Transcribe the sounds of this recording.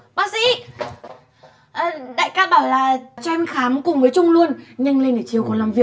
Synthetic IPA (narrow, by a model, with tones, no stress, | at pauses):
ɓaː˦˥k̚sḭ˧˥ | ʔə˨˩ɗa̰ː˧˨jkaː˧ɓaː˧˩wlaː˨˩t͡ɕɔ˧nxaː˨˦mkʊ˨˩ŋ͡mvəː˨˦jt͡ɕʊ˧ŋ͡mlu˧ənɲə˧ŋle˧nʔəː˧˩t͡ɕi˨˩əwkɔ˨˩˦nlaː˨˩mvi˨˩ə˩k̚